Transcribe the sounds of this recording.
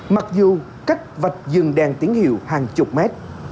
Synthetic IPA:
ma˨˩k̚zu˨˩ | ka˦˥k̚və˨˩t̚zɨ˨˩ŋɗaː˧˩ŋt̪i˨˦əŋhḭ˧˨əwhaː˨˩ŋt͡ɕʊ˨˩k͡p̚mɛ˦˥t̚

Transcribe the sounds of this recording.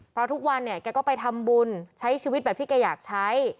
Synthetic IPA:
pʰɾɔ˦˥t̪ʰu˦˥k̚wa˧nːi˥˩ɐkɛː˧kɔː˥˩pa˧jt̪ʰa˧mbu˧nt͡ɕʰa˦˥jt͡ɕʰiː˧wi˦˥t̪̚bɛː˨˩p̚t̪ʰiː˥˩kɛː˧jaː˨˩k̚t͡ɕʰa˦˥j

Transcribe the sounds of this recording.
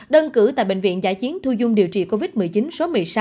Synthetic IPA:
ɗə˧nkɨ˧˩t̪a̰˧˨jɓḛ˧˨ŋvḭ˧˨ənzaː˧˩jt͡ɕi˨˦ənt̪ʰu˧zʊ˧ŋ͡mɗi˨˩əwt͡ɕḭ˧˨˩ko˧vi˦˥t̚m˨˩əjt͡ɕi˨˦nso˨˦mɨ˨˩əjsa˨˦

